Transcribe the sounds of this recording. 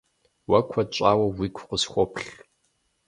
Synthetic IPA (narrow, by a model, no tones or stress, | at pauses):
wɐkʷʰɐt͡ʃʷʼaːwɐwiːkʷʰʊqʷəsxʷɔpʰɬ